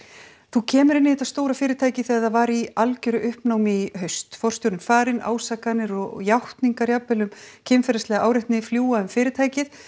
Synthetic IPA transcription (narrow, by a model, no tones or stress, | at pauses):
θucʰɛːmʏɾɪnːɪhɛːt̪ast̪oːwɾafɪːɾɪt̪ʰaːjcɪθɛɣaðavaːɾialcʏɾʏʔʏhpnaːwmiɦœɥst̪fɔr̥st̪jowɾnɪnfaːɾɪna̰ːwsakanɪɾɔɣjawht̪niŋkaɾjapɛlʏmcʰɪmfɛɾaslɛɣaʔaːwɾɪht̪nɪfljuːwaʏmfɪːɾɪɾt̪ʰaːjcɪθ